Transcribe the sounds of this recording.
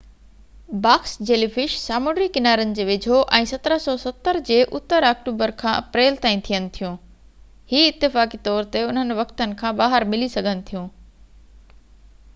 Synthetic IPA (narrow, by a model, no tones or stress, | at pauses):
baːxsd͡ʑeːlifɪʃsaːmoːɖɾikɪnaːɾənɪ̆d͡ʑeːʋɪd͡ʑʱoʔɛ̃ːsɐt̪əɾəsɔːsɐt̪əɾd͡ʑeːʔʊt̪ːəɾaːk̚ʈuːbəɾkʰãːʔɐpɾeːlt̪ãːĩt̪ʰijənɪ̆t̪ʰijũː | hiːɪt̪ːɪfaːkit̪ɔːɾt̪eʊn̤ənʋɐkt̪ənɪ̆kʰãːbaːɦəɾmɪlisɐɡʱənɪ̆t̪ʰijũː